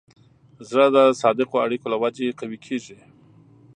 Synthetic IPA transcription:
zɾəd̪əsɑd̪ɪqoaɽikolawad͡ʒeqawikʰeʒi

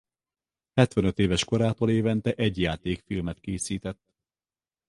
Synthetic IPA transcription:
hɛt̪ʋɛnøt̪eːvɛʃko̞ɾaːt̪oːleːvɛnt̪ɛʔɛɟjaːt̪eːkfilmɛt̪keːsiːt̪ɛt̪ː

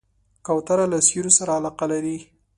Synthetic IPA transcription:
kawt̪aɾalasjuɾosaɾaalɑqalaɾi

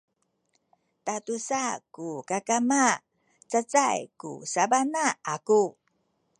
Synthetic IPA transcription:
tatusakukakama | t͡sət͡sajkṵsabanaaku

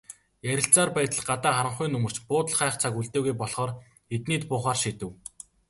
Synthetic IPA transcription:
jæɾʲɪ̆ɬt͡saːrpæːt̪ə̆ɮɢat̪aːχaɾə̆ɴχʊːnɵmɵ̆r̥t͡ɕpʊːt̪ə̆ɮχaːχt͡sʰakuɮt̪eːɣujpɔɮχɔːr | et̪niːt̪pʊːχaːrʃit̪ɘ̆w

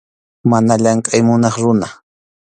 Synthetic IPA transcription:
manaʎaŋkʼajmʊnɑχɾʊna

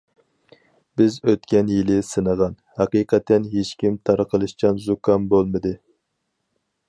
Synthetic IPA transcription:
bɪzøt̪kʲɛnjilˠɪsɨnəʁɑnhɑqiːqʰɛt̪ʰːɛnɦet͡ʃkʲimt̪ʰɑɾqʰəlˠɨʃt͡ʃʰɑnzukʰɑnbolˠmɨd̪ɨ

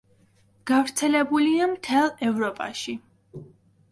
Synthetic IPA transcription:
ɡ̥avɾt̪sʰɛlɛbuliamt̪ʰɛlˠɛvɾɔpʼa̰ʃi

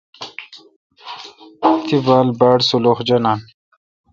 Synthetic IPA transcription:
t̪ʰibaːlbaːɽsuloxd͡ʑɐnaːn

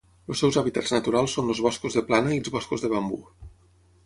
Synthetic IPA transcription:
losːɛwzaβit̪aznət̪uɾalˠsːonləzβɔskuzðəplanəilzβɔskuzðəβ̞ambṵ

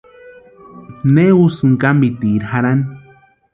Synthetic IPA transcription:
neusɨŋkambit̪iɾhaɾan

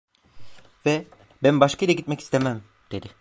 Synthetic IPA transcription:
vɛ | bænbaʃkʰajilʲˠaɟit̪mɛci̥st̪ʰemæm | d̪̥ed̪ɪ

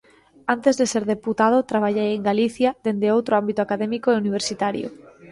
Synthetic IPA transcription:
ant̪ezðeseɾðeput̪að̞ot̪ɾaβ̞aʎejeŋɡaliθjaðend̪eowt̪ɾoambit̪ʊakaðɛmikoeuniβ̞eɾsit̪aɾjo̰

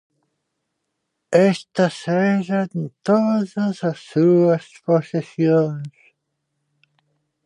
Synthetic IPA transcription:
est̪ɐsɛʒɐt̪oðɐzɐsːuɐsposisjõŋs

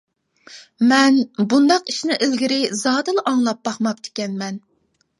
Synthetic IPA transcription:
mɛnbund̪ɑqiʃnɪʔelɡʲiɾɪzɑːd̪ɨlˠʔɑŋlˠɑp̚bɑχmɑp̚t̪ʰe̥kʲɛnmɛn

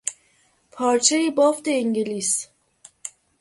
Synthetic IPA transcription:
pʰɒːɾt͡ʃʰejibɔft̪eːŋɟeliːs

